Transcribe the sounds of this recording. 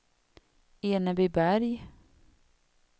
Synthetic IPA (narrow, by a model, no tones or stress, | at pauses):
eːnəbibæɾj